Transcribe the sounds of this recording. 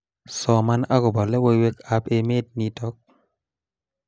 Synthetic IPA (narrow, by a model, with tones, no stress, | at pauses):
sɔ˨ma˦na˦kɔ˨bɔ˨lɛ˦wo˦we˦ka˨pe˨me˦t̚ni˨tɔ˦k̚